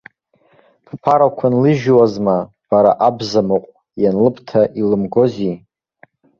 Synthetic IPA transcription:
pʰpʰaɾakʷʰanlɨʒwazma | b̥aɾa̰ʔabzamoqʷʼ | janlɨpʰtʰaʔilɨmɡo̞zi

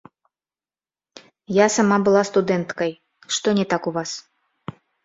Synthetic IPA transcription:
jasamabɨlˠast̪ud̪ɛnt̪kɐj | ʂt̪ɔnʲɛt̪akuvas

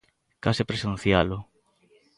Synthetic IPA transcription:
kasɪpɾesẽn̟θjalʊ

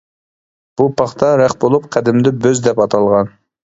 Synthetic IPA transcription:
b̥upɑχt̪ʰɑɾæχbolˠup̚qʰæd̪ɪmɪd̪ɪbøzd̪ɛpɑt̪ʰɑlˠʁɑn

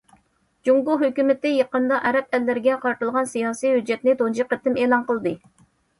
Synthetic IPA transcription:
d͡ʒuŋɡuɦøkʲymɪt̪ɪjɑqənd̪ɑʔɛɾɛp̚ɛlːɪɾɪɡʲɛqʰɑɾt̪ɨlˠʁɑnsijɑːsijhyd͡ʒːɛt̪nɪt̪ond͡ʒiqːət̪ɪmeːlˠɑnqəlˠd̪ɨ

